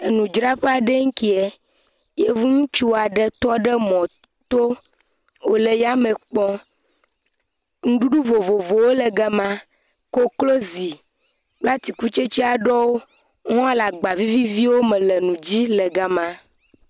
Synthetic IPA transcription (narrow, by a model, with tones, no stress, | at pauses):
e˨nũ˨d͡ʒɾa˦ɸe˦a˨ɖe˦ŋ̩˦ki˦e˨ | je˦vu˦ŋũ˦t͡ʃu˦˨a˨ɖɛ˦t̪ɔ˦ɖɛ˦mɔ̃˨ | t̪o˦ | wo˨le˨ja˦mẽ˨k͡pɔ˦ | ŋũ˦ɖu˦ɖu˦vo˨vo˨vo˨wo˦le˨ɡa˦mã˦ | ko˦klo˦zi˨ | k͡pla˦t̪i˨ku˦t͡ʃe˦t͡ɕi˦a˨ɖɔ˦wo˦ | ŋɔ̃˦a˦la˨ɡ͡ba˨vi˦vi˦vi˦wo˦mɛ̃˨lɛ˨nũ˨d͡ʑi˦lɛ˨ɡa˨mã˦